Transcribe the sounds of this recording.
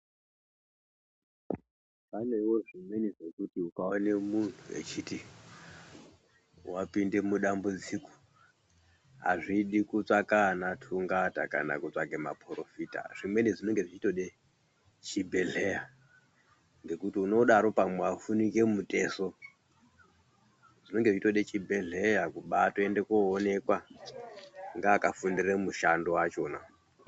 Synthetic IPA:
pane̞iwo̞ʐimweniʐekutiukaonemun̤uḛt͡ʃiti | wapinde̞muɗambud͡ziko̥ | ɦa̰ʐiɗikut͡sakanatʰuŋɡata̰ka̰na̰kut͡saɡema̰pʰurofita̰ʐ̥imweneʐino̞ŋɡeʐit͡ʃito̞ɗe | t͡ʃibʱe̞ɮeja | ŋɡe̞kutiuno̞ɗaɾo̞pamweafunike̞mutʼe̞so̞ | ʐ̥ino̞ŋɡeʐiitoɗet͡ʃibʱe̞ɮe̞jakuɓatoende̞koːne̞kwa | ŋɡaːkafundiremuʃandowat͡ʃo̞ːna

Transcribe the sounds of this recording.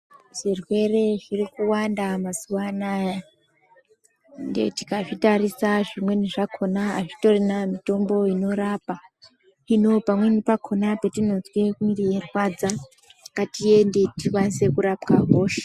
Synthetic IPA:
ʐ̥irwe̞re̞ʐirikuwandamasuwana | ndḛti̥kaʐitaɾisaʐimwe̞niʐakʰo̞naːʐito̞rinamito̞mbo̞ino̞ɾaːpa | ino̞pamwenipakʰo̞napetino̞zwekirierwad͡za | katije̞ndetiwanse̞kuɾapkaɦoːʃae̥

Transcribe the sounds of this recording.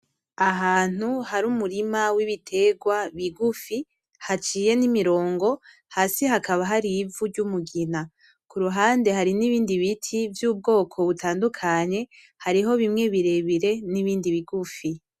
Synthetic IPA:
aɦaːn̥huhaɾuːmuɾimawiβitʰe̞ɡwaβiɡufi | hat͡ʃiːje̞nimiɾo̞ːŋɡo̞ | haːsihakaβaɦaɾivuɾɟumuɡina | kuɾuɦaːnde̞ɦaɾiniβiːndiβitʰivjuːb̚ɡo̞ːkʰo̞βutʰaːndukʰaɲe̞ | haɾiɦo̞βimŋe̞βiɾe̞βiɾe̞niβiːndiβiɡufi

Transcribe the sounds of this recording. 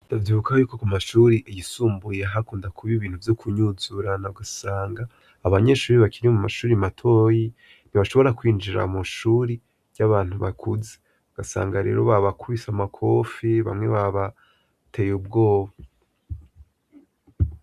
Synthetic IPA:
d̥avjiːβukajuːko̞kumaʃuːɾiʔijisuːmbujeɦakuːndakʰuβiβiːn̥huvjokʰuɲuzuɾanaɡasaːŋɡaː | βaɲe̞ʃuːɾiβakiɾiomumaʃuːɾimatʰo̞ji | n̥iβaʃo̞βo̞ɾakwiːnd͡ʒiɾa̰muʃuːɾi | ɾɟaβaːn̥huβakʰuze | ɡ̥asa̰ːŋɡaɾḛːɾo̞βaβakuβisamakʰo̞fiβa̰mŋe̞βaβa | tʰe̞ːjub̚ɡoːβa

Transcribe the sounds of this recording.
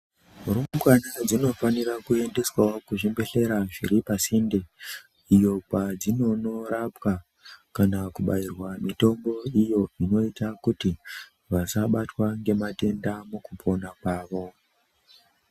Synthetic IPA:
uɾumɡwanad͡zino̞fanirakue̞nde̞swakuʐimbe̞ɬe̞ɾaʐiɾipasinde | ijo̞pad͡zino̞no̞ɾapwa | kanakuɓairwamito̞mbo̞ijo̞ino̞itakuti | ʋasaɓatwaŋɡe̞mate̞ndamukupʰo̞nakwaːʋo̞

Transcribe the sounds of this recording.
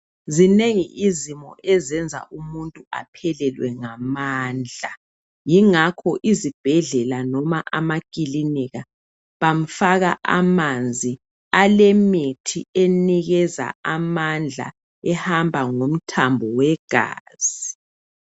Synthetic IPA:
zineŋiʔizimɔ̰ʔɛzɛnd͡zʱa̰ʔumuntʼua̰pʰɛlɛlwɛŋamaːnd͡ɮʱa | jiŋakʰɔʔizib̥ʱɛɮɛlanɔmaʔamakʼiliniɣa | βam̩faɣa̰ʔamand͡zʱi | alemitʰieniɣɛza̰amand͡ɮʱa̰ | ɛhambʱaŋom̩tʰambʱɔwɛɡ̥ʱa̰ːz̥i

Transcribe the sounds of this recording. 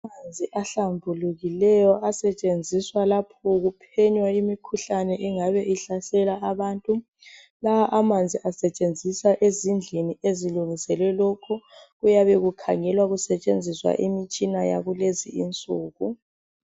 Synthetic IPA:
amand͡zʱiʔaɬambʱuluɣilɛjɔʔasɛt͡ʃʼend͡zʱiswalapʰɔɣupʰɛɲwaimikʰuɬanɛʔɛŋaβɛʔiɬasɛlaaβaːntʼu | laaʔamand͡zʱiʔasɛt͡ʃʼend͡zʱisaʔezind͡ɮʱinieziluŋisɛlwɛlɔkʰɔɣujaβɛɣukʰaŋɛlwaɣusɛt͡ʃʼend͡zʱiswa̰ʔimit͡ʃʼinaja̰ɣulezḭint͡sʼuːɣu

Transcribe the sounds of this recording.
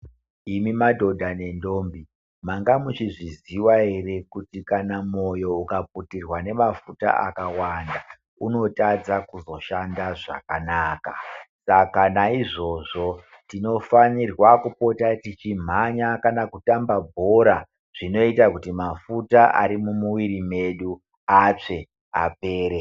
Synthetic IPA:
imimadʱo̞dʱane̞ndo̞ːmbi | maŋɡamut͡ʃiʐiziwaɦe̞re̞kutikanamo̞jo̞ukap̚utirwane̞mafuta̰ʔa̰kawanda | uno̞tad͡zakuzo̞ʃandaʐa̰kanaːkasakanaiʐo̞ʐo̞ | tino̞fanirwakupo̞tatit͡ʃim̤aɲakanakutambabʱo̞ɾa | ʐ̥ino̞itakutimafutaʔa̰ɾimumuwiɾime̞ɗu | at͡ʂe̞ | a̰pe̞ːɾe

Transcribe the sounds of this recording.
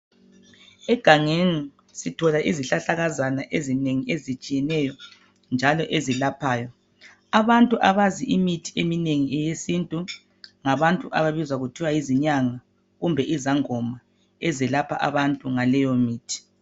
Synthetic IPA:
ɛɡ̥ʱaŋeni | sitʰɔlaʔiziɬaɬaɣazanaʔezineŋiezit͡ʃʼijɛnɛjɔ | nd͡ʒʱalɔʔezilapʰaːjɔ | aβantʼuʔaβaziʔimitʰi̥emineŋiɛjesintʼu | ŋaβantʼuʔaβaβizwaɣutʰiwajiziɲaŋa | ɣumbʱɛʔizaŋɔma | ɛzɛlapʰa̰ʔa̰βantʼuŋalɛjɔmiːtʰi̥

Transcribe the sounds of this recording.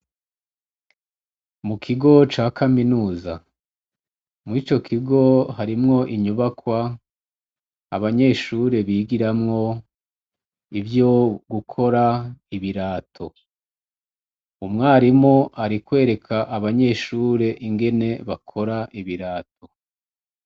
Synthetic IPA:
mukʰiɡo̞t͡ʃaːkʰaminuːza | mit͡ʃo̞kʰiɡo̞haɾimŋo̞ʔiɲuβakwa | a̰βaɲe̞ːʃuɾe̞βiːɡiɾamŋo̞ | ivjoɡukʰo̞ɾaiβiɾaːtʰo̞ | umŋaːɾimŋoʔaɾikwe̞ːɾe̞kʰaʔaβaɲe̞ːʃuːɾe̞ʔiŋɡe̞ne̞βakʰo̞ɾaʔiβiɾaːtʰo̞

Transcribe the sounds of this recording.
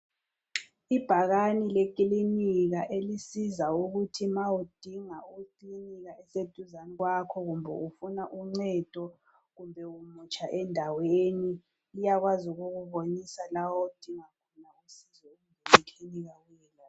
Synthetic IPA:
ib̥ʱaɣanilek̬ʼiliniɣaʔelisizauɣutʰimawud̥ʱiŋauǃiliniɣaɛsed̥ʱuzaniɣwakʰɔɣumbʱɛ̰ufunaʔuŋ͡ǀɛd̥ʱɔ | ɣumbʱɛumut͡ʃʰʼaʔɛndʱaweːni | lijaɣwazuɣuɣuβonisalawɔud̥ʱiŋakʰɔnausizɛumʱeliɬʰiniɣawɛːla

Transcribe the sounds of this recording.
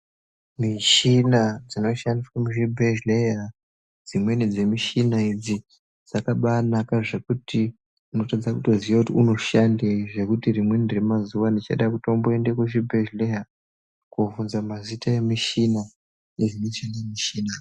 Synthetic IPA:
miʃinad͡zino̞ʃandiswamuʒibʱeʒleja | d͡zimwe̞nid͡ze̞miʃinaid͡zi | d͡zakaɓaːnakaʐe̞kutʰi | uno̞tad͡zakuto̞ziʋakutiuno̞ʃandeʐe̞kutirimwe̞ndremazuʋandit͡ʃa̰ɗakutomboendekuʐibʱeʒleja | kuvunzamazitae̞miʃina | eʐinet͡ʃenemiʃiːna

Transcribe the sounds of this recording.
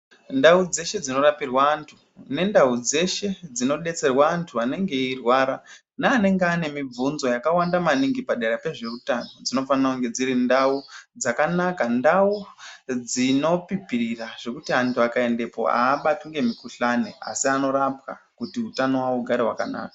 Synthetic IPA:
ndaud͡ze̞ʃe̞d͡zino̞rapirwaːntʰu̥ | ne̞ndaud͡ze̞ʃe̞d͡zino̞ɗe̞t͡se̞rwaːntʰuane̞ŋɡe̞irwaɾa | naːne̞ŋɡeane̞mib͡vunzo̞jakawandamaniŋɡipaɗeɾape̞ʐe̞rutano̞d͡zino̞fanakuŋɡe̞d͡ziɾindaud͡zakanakandaud͡zino̞pipiɾiraʐ̥e̞kutiantʰuakae̞nde̞po̞̰a̰ːɓatuŋɡe̞mikuɬanea̰siano̞ɾapka̰ | kutiutanowauɡʱaɾeɦwakana̰ːka

